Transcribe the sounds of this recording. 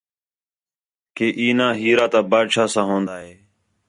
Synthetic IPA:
keːʔiːnãːɦiːɾaːt̪ãːbaːd̪ʃaːsãːɦõːnd̪aːɦeː

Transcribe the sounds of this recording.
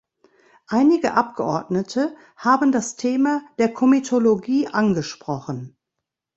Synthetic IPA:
ʔaɪnɪɡəʔap̚ɡ̥əʔɔɐdnətʰə | haːbn̩dastʰeːmad̥eːɐkʰomitʰoloɡiːʔanɡəʃpʁ̥ɔχən

